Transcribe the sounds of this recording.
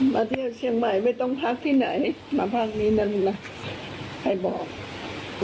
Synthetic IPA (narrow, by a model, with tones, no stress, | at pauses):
maː˧t̪ʰi˧˩ə˨wsi˧əŋma˧˩jma˧˩jt̪ɔ˧˥˩ŋp̪ʰa˧˥k̚t̪ʰiː˧˩na˨˦j | maː˧˦pʰa˧˩k̚niː˧˥˩na˧˥˨n˨na˧˩ | ha˧˩jbɔː˨˩k̚